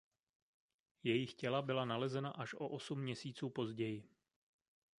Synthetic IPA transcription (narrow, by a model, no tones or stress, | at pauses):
jɛjɪxcɛlabɪlanalɛzɛnaʔaʃʔo̞ʔo̞sumːɲɛsiːt͡suːpo̞zɟɛjɪ